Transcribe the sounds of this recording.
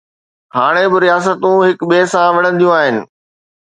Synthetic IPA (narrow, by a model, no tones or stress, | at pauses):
ɦaːɽ̃ebɪɾijaːs̬ət̪ũɦɪkɓeːsãʋɐɽ̤̃ə̃nɪ̆d̪ijũaːɦɪnɪ̆